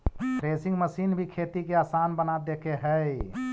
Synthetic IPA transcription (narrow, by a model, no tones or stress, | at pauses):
pɾeːsɪ̃ŋɡməsiːnbʱikʰet̪ikeasaːnbənad̪ekeɦəj